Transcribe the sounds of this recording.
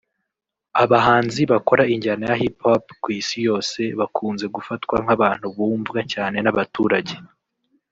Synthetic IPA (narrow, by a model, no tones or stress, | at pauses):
aβaɦaːnziβako̞ɾaiɲɟanajaɦipapkwiːsijo̞ːse̞βakʰuːnze̞ɡufatkwaŋ̥aβaːn̥huβuːɱvɡacaːne̞naβatuːɾaɟe